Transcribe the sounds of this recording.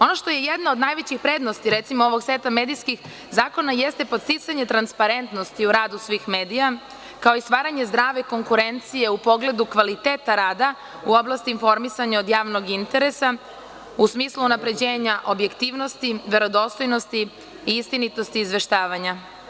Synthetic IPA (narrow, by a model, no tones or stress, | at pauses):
o̞noʃt̪o̞je̞jed̪naod̪naːjʋet͡ɕixpɾed̪nost̪iɾet̪simooʋo̞ɡsʋet̪amed̪iskix | zaːko̞najest̪epost̪it̪saɲe̞t̪ɾanspaɾe̞nt̪no̞st̪iuɾaːd̪usʋiːxme̞ːd̪ija | kao̞ist̪ʋaːɾaɲe̞zd̪ɾaːʋe̞ko̞ŋkuɾe̞nt̪sije̞upo̞ɡle̞d̪ukʋalit̪eːt̪aɾaːd̪a | uo̞blast̪iːnfo̞ɾmisaɲao̞d̪jaːʋno̞ɡint̪e̞ɾe̞sa | usmiːslˠuunapɾe̞d͡ʑeːɲaʔo̞bje̞kt̪iːʋno̞st̪iʋe̞ɾo̞d̪o̞st̪o̞jno̞st̪i | iist̪init̪o̞st̪iːzʋe̞ʃt̪aːʋaɲa